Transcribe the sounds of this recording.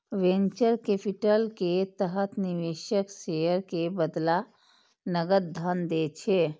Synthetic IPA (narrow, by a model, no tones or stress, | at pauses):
ʋẽnt͡ʃəɾkepʰiʈəlket̪əɦət̪ʰniʋeʃəksejəɾkebəd̪la | nəɡət̪̚d̪ʱənd̪et͡ʃʰe